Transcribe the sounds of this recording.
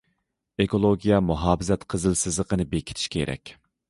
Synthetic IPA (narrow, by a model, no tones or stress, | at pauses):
ekʰolˠoɡʲijɛmuɦɑːbɪzɛt̪qʰəzɨlsɪzlˠəqənɨbekʲʰi̥t̪ʰi̥ʃkʲʰḛɾɛ̰kʲ